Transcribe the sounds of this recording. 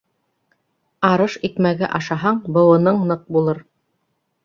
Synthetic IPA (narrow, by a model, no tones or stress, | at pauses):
ɑɾɤʃikmæɡæʔɑʃɑɦɑɴbɤ̆wɤ̆nɤɴnɤq̚bulˠɤɾ